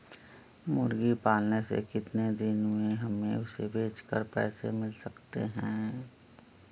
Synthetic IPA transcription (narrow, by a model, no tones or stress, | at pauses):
mʊɾɡipaːlnesḛkɪt̪ned̪ɪnmẽɦɐmːẽʊsebʱeːt͡ʃkə̰ɾpɛ̰ːsemɪlsɐkt̪ḛɦɛ̃ː